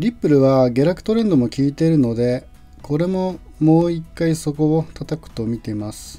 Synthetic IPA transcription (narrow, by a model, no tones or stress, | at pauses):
ɾʲipːɯ̟ɾɯ̟βaɡʲe̞ɾakɯ̟̥t̪o̞ɾẽ̞nd̪o̞mo̞kʲiːt̪e̞ɾɯ̟no̞d̪e̞ | kʰo̞ɾe̞mo̞ | mo̞ːikːaiso̞ko̞ot̪at̪akɯ̟̥t̪o̞mʲit̪e̞imasɨ̥